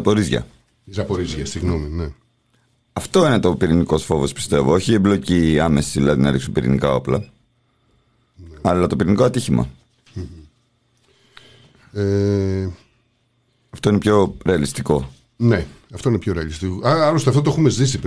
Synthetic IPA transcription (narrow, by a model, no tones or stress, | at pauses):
ɐpo̞ɾizʝɐ̰ | izɐpoɾizʝɐsiɣnomine | ɐft̪o̞ine̞t̪o̞piɾiniko̞sfo̞vo̞spi̥st̪e̞vo̞o̞çiemblo̞ciɐme̞siðilɐðinɐliksumpiɾḭnikɐo̞plɐ | nɐlɐt̪o̞piɾiniko̞ɐt̪içimɐ̰ | m | e | ɐft̪oinepço̞ɾe̞ɐlist̪iko̞ | neɐft̪oinepço̞ɾeɐlist̪ikoɐlost̪eɐft̪ot̪oexumezðisip